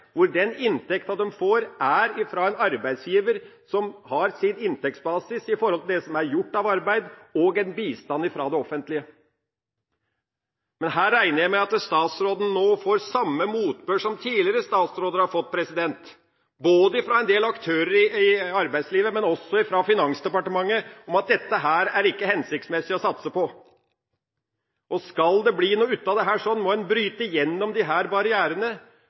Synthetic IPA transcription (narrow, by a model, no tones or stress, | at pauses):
ʋʊɖɛnɪnt̪ɛkt̪ɑd̪ɛmfoːɾʔæɾɪfɾɑːɛnɑɾbæɪd̪sjiːʋəɾ | sɔmhɑɾsɪnɪnt̪ɛk̚t̪sbɑːsɪsɪfɔɾhɔlt̪ɪld̪ɛsɔmæɾjʊʈːɑʋɑɾbæɪd̪ɔːɡɛnbiːst̪ɑnːɪfɾɑd̪ɛɔfənt̪lɪə | mɛnhæːɾːæɪnəɾjæɪmɛɪɑt̪st̪ɑːt̪sɾoːd̪n̩noːfoːɾsɑmːəmuːt̪bøːʂɔmt̪ʰiːlɪɾəst̪ɑːt̪sɾoːd̪əɾhɑɾfɔt̪̚ːpʰɾɛsɪd̪ɛnt̪ | boːd̪əɪfɾɑɛnd̪eːlɑkt̪ʰøːɾəɾɪɪɑɾbæɪsliːʋəmɛnɔsːɔɪfɾɑfɪnɑŋsd̪ɛpɑʈəmɑŋːəɔmɑt̪̚d̪ɛt̪ːəɦæːɾæɾɪkːəhɛnsɪk̚t̪smɛsɪɔsɑt̪səpɔ | ʔɔskɑld̪ɛbliːnuːʉt̪ːɑd̪ɛɦæːʂɔnmɔɛnbɾyːt̪əjɛnːɔmd̪ɪɦæːɾbɑɾɪæːɾənə